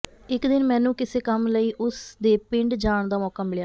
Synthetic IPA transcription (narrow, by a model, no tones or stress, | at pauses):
ɪkd̪ɪnmɛ̃ːnũːkɪseːkəmləiːʔʊsd̪eːpɪɳɖd͡ʒaːɳd̪aːmɔːkaːmɪljaː